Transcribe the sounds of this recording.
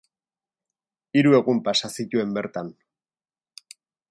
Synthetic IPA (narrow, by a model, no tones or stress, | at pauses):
iɾue̞ɣumpasasic̪ue̞mbe̞ɾt̪an